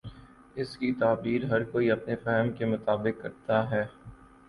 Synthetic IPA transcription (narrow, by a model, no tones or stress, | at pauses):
ɪskit̪aːbiːɾɦɐɾkoːiɐpnefɛɦəmkemʊt̪aːbɪkːɐɾt̪aɦɛː